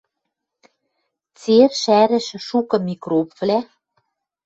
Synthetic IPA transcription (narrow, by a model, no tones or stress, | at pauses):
t͡serʃæɾɘ̆ʃɘ̆ʃukɤ̆mikropvlæ